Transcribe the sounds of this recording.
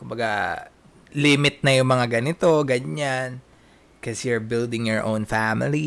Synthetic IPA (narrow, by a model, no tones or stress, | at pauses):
kʊmbɐɡa | lɪmɪt̪̚nɐjʊŋmɐŋaɡɐnɪt̪o̞ɡɐɲan | kɐsjuɹbɪld̪ɪ̃ŋjɔɹʔõ̰wnfamɪli